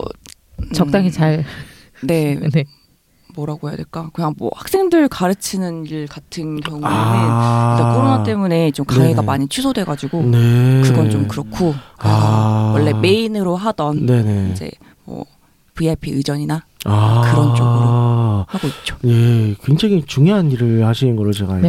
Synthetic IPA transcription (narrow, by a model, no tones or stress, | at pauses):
ʌ | t͡ɕʌt͈aŋit͡ɕaɭ | ne̞ | mʌɾaɡoja̰deɭk͈akɯɲaŋmwʌ̰hak̚s͈e̞ŋdɯɭkaɾɯt͡ɕʰinɯniɭkatʰɯnkjjʌŋueɯnk͈akʰoɾonat͈e̞mune̞t͡ɕomkaŋe̞ɡamaɲit͡ɕʰisʰodwe̞ɡad͡ʑiɡonekɯɡʌnt͡ɕomkɯɾʌkʰokɯesʌwʌɭːe̞me̞inɯɾoɦadʌnne̞neind͡ʑe̞̰ | mwʌ̰ | pɯapʰiɯd͡ʑʌɲinaakɯɾʌnt͡ɕ͈ʰʌɡɯɾohaɡoit̚t͡ɕ͈o̥je̞kwe̞ŋd͡ʑaŋit͡ɕuŋjoɦaniɾɯɭhaɕʰinɯnɡʌɭːot͡ɕe̞ɡa